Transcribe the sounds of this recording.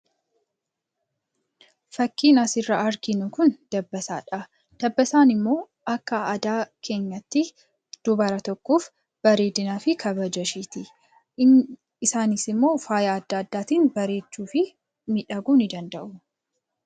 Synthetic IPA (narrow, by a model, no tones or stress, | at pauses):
fɐkːiːnɐsɪrːɐʔɐɾkɪnʊkʊnd̪̥ɐbːɐsa̰ːᶑɐ | d̪̥ɐbːɐsaːnɪmːo̞ː | ɐkːɐɐd̪aːkʰe̞ːɲːɐt̪ːɪ | d̪̥ʊbɐɾɐt̪ɔkːoːf | b̥ɐɾe̞ːd̪ɪnaːfɪkʰɐβɐd͡ʒɐʃiːt̪ɪ | ɪsaːnɪsɪmːo̞ːfaːjaɐd̪ːɐɐd̪ːaːt̪iːnbɐɾe̞ːt͡ʃːuːfɪ | mɪᶑɐɡuːnɪd̪ɐnd̪ɐʔʊ